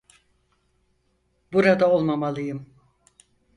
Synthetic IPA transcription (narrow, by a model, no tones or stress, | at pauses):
buɾad̪ao̞lˠmamalˠɯjɯm